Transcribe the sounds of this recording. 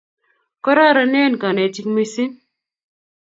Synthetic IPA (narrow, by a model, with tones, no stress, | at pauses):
kɔ˦ɾa˦ɾa˨˦nɛ˦n˨ka˨nɛ˨ti˦kmi˦si˦n